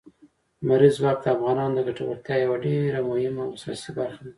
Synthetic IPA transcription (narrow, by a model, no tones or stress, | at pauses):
maɾizwɑk̚d̪əafɣɑnɑnd̪əɡaʈawa̰ɾt̪jɑjawaɖeɾamʊhɪmawʊsɾa̰sibaɾxad̪a